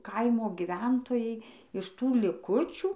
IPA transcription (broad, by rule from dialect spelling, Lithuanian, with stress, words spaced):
ˈkɐɪmoː ɡʲɪˈʋʲɛntoːjɛɪ ɪʃ ˈtuː lʲɪˈkʊt͡ʃʲuː